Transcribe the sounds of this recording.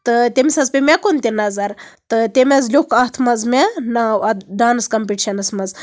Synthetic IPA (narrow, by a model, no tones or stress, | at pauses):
t̪ɨt̪ʲemʲsɐzpʲemʲekunt̪ʲinɐzɐɾt̪ɨt̪ʲemʲɐzlʲukʰɐt̪ʰmɐzmʲenɐɐd̪aːnɐskɐmpʲiʈiʃɐnɐsmɐz